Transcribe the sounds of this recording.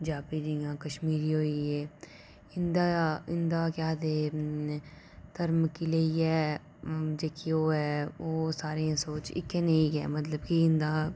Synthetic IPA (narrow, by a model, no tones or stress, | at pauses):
d͡ʒaːpiːɾijãːkəʃmiːɾiːɦoːieː | ɪnd̪aːɪnd̪aːkjaːd̪eː | t̪əɾmkileiɛː | d͡ʒeːkioːɛːoːsaːɾeãsoːt͡ʃɪ̰keneĩkɛ̰ːmɐt̪ləbkiɪ̃nd̪aː